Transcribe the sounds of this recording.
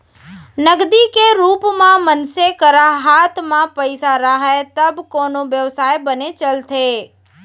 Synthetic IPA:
nəɡd̪ikeɾupmãmənsekəɾaɦat̪ʰmãpəjsaɾaɦajt̪əbkonoʋjəʋsajbənet͡ʃəlt̪ʰe

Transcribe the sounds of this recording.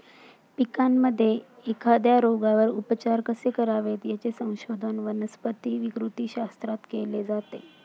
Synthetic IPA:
pikamːəd̪ʱːjeekʰad̪jaɾoɡaʋəɾupət͡ɕaɾkəsekəɾaʋet̪jat͡sesə̃w̃ɕod̪ʱənʋənəspət̪iːʋikɾut̪iːɕast̪ɾat̪keled͡zat̪e

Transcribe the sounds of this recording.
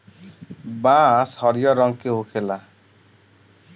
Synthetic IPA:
bãshʌɾijʌɾʌŋkeɦokʰela

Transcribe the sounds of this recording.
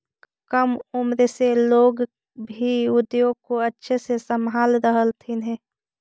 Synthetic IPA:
kəmʊmɾeseloːɡ | bʱiʊd̪jõkoətːʃʰesesəmɦaːlɾəɦəlt̪ʰinɦẽː

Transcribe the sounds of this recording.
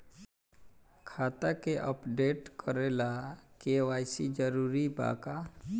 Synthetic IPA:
kʰaːt̪akeʔəpɖeːʈkəɾelakeʋaːjsid͡ʒəɾuːɾiba̰ːka

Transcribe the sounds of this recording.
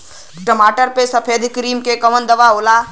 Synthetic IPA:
ʈəmaːʈəɾpesɐpʰeːd̪ʱkɾiːmkekəʋənd̪əʋaolaː

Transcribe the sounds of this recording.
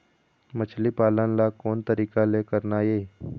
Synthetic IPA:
mət͡ʃʰlipaːlənlakoːnt̪əɾiːkalekəɾnaːjeː

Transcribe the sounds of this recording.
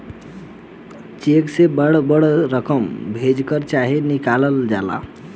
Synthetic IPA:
t͡ʃeksebəɽbəɽɾəkəmbʱed͡ʒkəɾt͡ʃaɦinikaləld͡ʒala̰

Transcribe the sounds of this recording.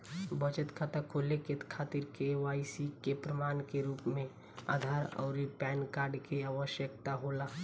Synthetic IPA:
bət͡ʃət̪kʰat̪akʰoːleket̪kʰaːt̪iɾkeʋaːɪsikepɾəmaːnkeɾuːpmẽ | a̰ːd̪ʱaːɾɔ̰ːɾipɛːnkaːɾɖkeaːʋəʃjək̚t̪aɦolaː

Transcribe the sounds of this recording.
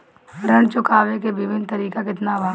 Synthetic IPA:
ɾəɽ̃t͡ʃʊkaːʋekebɪʋɪnt̪ɐɾiːkakɪt̪nabʱaː

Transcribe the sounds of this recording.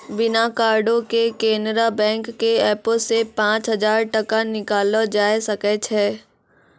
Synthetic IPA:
bɪnakaːɾɖõkekẽːnd̪ɾabɛ̃ːŋkːeɛːpəsepãːt͡ʃɦɐd͡ʒaːɾʈɐkanɪkaːlod͡ʒaːjsɐkɛt͡ʃʰɛː

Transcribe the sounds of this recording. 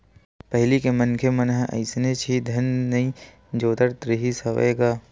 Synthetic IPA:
pɐɦɪlikemɐnkʰemɐnɦɐ̰ɪsnet͡ʃʰid̪ʱɐnːɐĩ | d͡ʒoːt̪əɾt̪ɾɪɦisɐʋḛːɡaː

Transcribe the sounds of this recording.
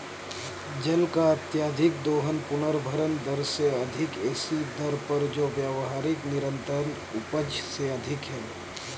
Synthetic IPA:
d͡ʒəlkaət̪jaːd̪ʱɪk̚d̪oːɦənpʊnəɾbʱəɾənd̪əɾseɐd̪ʱɪkeːsid̪əɾpəɾd͡ʒoːʋjaːʋɦaːɾɪknɪɾə̃nt̪əɾən | ʊpəd͡ʒseəd̪ʱɪkɦɛː

